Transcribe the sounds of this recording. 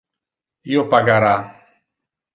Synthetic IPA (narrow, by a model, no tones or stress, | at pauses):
jopaɡaɾa